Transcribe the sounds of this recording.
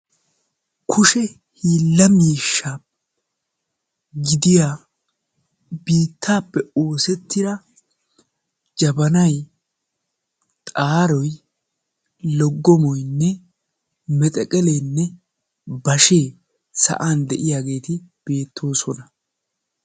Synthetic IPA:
kʰʊʃɛ | hiːlːɐmiːʃːaː | ɡɪd̪ɪjaː | biːt̪ʰːaːpːɛo̞ːsɛt̪ːɪd̪ɐ | d͡ʒɐbɐnɐj | t̪ʼaːɾɔj | lɔɡːɔmɔjnːɛ | mɛt̪ʼɛkʼɛlejnːɛ | bɐʃe̞ː | sɐ̰ʔaːnd̪ɛʔɪjaːɡe̞ːt̪ɪb̥e̞ːt̪ʰːo̞ːsɔnɐ

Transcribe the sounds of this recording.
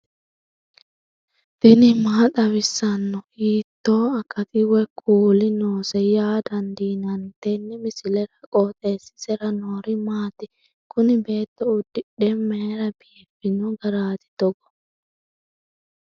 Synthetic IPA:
d̪̥ɪnɪmaːt̪ʼɐwɪsːɐnːɔhiːt̪ːo̞ːɐkːɐt̪ʼɪwɛkʰuːlɪnoːsɛjaːd̪ɐnd̪iːnɐnt̪ɛnːɛmɪsɪlɛɾɐkʼoːt̪ʼeːsɪ̥sɛɾɐnoːɾɪmaːt̪ɪ | kʰʊnɪbe̞ːt̪ːɔʊd̪ːɪɗɛmːeːɾɐbijfɪnɔɡɐɾaːt̪ɪ̥d̪ɔɡɔ̥

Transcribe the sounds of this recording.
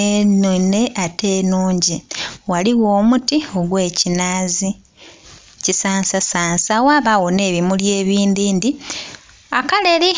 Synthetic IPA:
enune̞ʔatʰe̞ːnuːɲɟiwaliwo̞ːmutio̞ɡwe̞ːcinaːzi | cisaːnsasaːnsawaːβawo̞ne̞ːβimulje̞ːβiːndiːndi | akale̞ɾi

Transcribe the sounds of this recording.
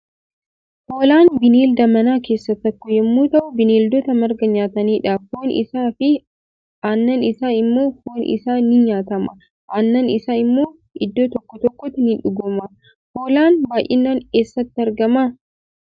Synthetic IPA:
hoːlaːnbɪneːld̪ɐmɐnaːke̞ːsːɐt̪ːɐkːɔjɛmːuːt̪ɐʔʊbɪneːld̪ɔt̪ɐmɐɾɡɐɲaːt̪ɐniːᶑaːfhoːnɪ̰saːfɪ | anːɐnɪsaːnɪmːo̞ːhoːnʔɪ̰saːnɪɲaːt̪ɐmɐ̰ | ʔanːɐnɪsaɪmːo̞ː | ɪd̪ːoːt̪ɔkːɔt̪ɔkːɔt̪ːɪnɪᶑʊɡʊmɐ | hoːlaːnbaːjʔɪ̰nːaːneːsːɐt̪ːɪɐɾɡɐma

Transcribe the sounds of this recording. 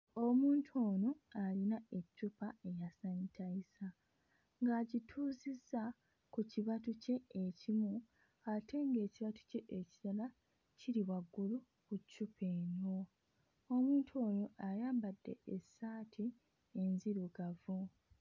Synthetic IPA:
o̞muːntʰuo̞ːnoalinae̞cːupae̞jasanitʰaisa | ŋɡaːɟitʰuːzizːa | kuciβatuce̞ːcimu | ate̞ŋɡe̞ːciβatu̥ce̞ʔeciɾala | ciɾiwaɡːulu | kucːupʰe̞ːno̞ | omuːntʰuo̞ːnoʔajaːmbadːe̞̰esaːtʰi | enziɾuɡavu

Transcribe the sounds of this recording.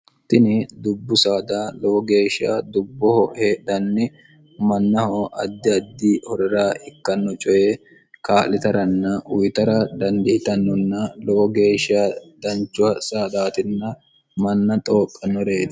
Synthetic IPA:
t̪ɪnɪd̪ʊbːʊsaːd̪aːlɔwɔɡe̞ːʃɪa̰ːd̪ʊbːɔhɔheːd̪ɐnːɪ | mɐnːɐhɔʔɐ̰d̪ːɪɐd̪ːiːhɔɾɪɾaːɪkːɐnːɔt͡ʃʼɔjɛ | kaːlːɪt̪ɐɾɐnːɐʊjt̪ɐɾɐd̪ɐnd̪ɪɪt̪ɐnːɔnːɐlɔwɔɡe̞ːʃɪaːd̪ɐnt͡ʃːʊwɐsaːd̪aːt̪ɪnːɐ | mɐnːɐt̪ʼoːkʼːɐnːɔɾeːd̪ɐ

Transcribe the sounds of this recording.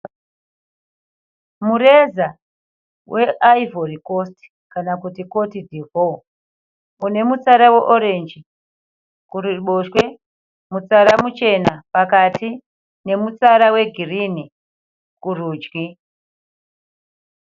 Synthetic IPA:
muɾeza | wʔe̞ʔaivorikosti̥ | kanakutiko̞tidʱivo | une̞mut͡saɾawe̞ʔoɾe̞nd͡ʒi | kuriɓoʃwe̞ | mut͡saɾamut͡ʃe̞napakatʰi | ne̞mut͡saɾawe̞ɡʱirini | kuruːd͡ʒɡi

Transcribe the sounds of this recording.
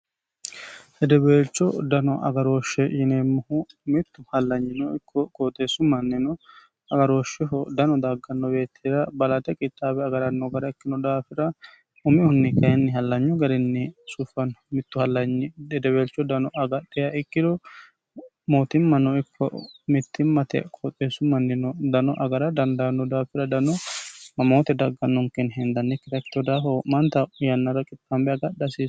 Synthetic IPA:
hɛd̪ɛbeːlt͡ʃːɔd̪ɐnɔʔɐ̰ɡɐɾoːʃɛjɪneːmːʊhʊmɪt̪ːʊhɐlːɐɲːɪnɔɪkːɔkoːt̪esʊmɐnːɛnɔ | ɐɡɐɾoːʃɛɦɔd̪ɐnɔd̪aɡːɐnːɔbe̞ːt̪ʰːiːd̪ɐbɐlɐt̪ɛkʼɪt̪ʼːaːbɛɐɡɐɾɐnːɔɡɐɾɐɪkːɪnɔd̪aːfɪɾɐ | ʊmɪhʊnːɪkɐjɛnːɪhɐlːɐɲːɔɡɐɾɪnːɪsʊfɐnmɪt̪ːʊhɐlːɐɲd̪ɛd̪ɛbelt͡ʃːɔd̪ɐnɔɐɡɐɗɛjɐʔɪkːɪd̪ɔ | moːt̪ɪmːɐnɔɪkʰːɔ̰mɪt̪ːɪmːɐt̪ɛ̰kʰɔt̪ʼesʊmɐnːɪnɔd̪ɐnɔʔɐɡɐɾɐd̪ɐnd̪anɔd̪aːfɪɾɐd̪ɐnɔmɐmoːt̪ɛd̪ɐɡːɐnːɔŋkɛnɦɛnd̪ɐnːɪkːɪd̪ɐkt̪ːɔd̪aːfɔmɐnt̪ɐjɐnːɐɾɐkʼɪt̪ʼːɐmbɛɐɡɐɗɐsis

